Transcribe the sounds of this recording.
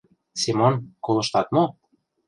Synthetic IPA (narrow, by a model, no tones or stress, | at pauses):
semonkolˠɤ̆ʃt̪ɑt̪̚mo